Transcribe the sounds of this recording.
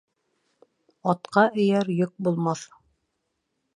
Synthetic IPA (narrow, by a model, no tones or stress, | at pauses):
ɑt̪qɑʔɘ̆jæɾjɵk̚bulˠmɑθ